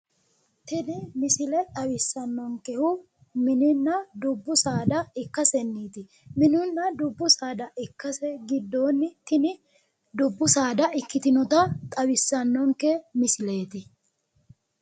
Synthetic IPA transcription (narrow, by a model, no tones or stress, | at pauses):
t̪ɪd̪ɪmɪsɪlɛt̪ʼɐwɪsːɐnːɔŋkɛhʊ | mɪnɪnːɐd̪ʊbːʊsaːd̪ɐɪkːɐsɛnːiːt̪ɪ | mɪnʊnːɐd̪ʊbːʊsaːd̪ɐʔɪkːɐsɛɡɪd̪ːoːnːɪt̪ɪnɪ | d̪ʊbːʊsaːd̪ɐɪkːɪt̪ɪnɔt̪ɐt̪ʼɐwɪsːɐnːɔŋkɛmɪsɪle̞ːt̪ɪ